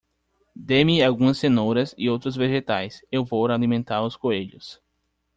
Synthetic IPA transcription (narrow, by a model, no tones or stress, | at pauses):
d̪emiawɡũɐsẽnoɾɐsɪowt̪ɾʊzveʒet̪ajsewvowɾalimẽnt̪aɾʊskoeʎʊs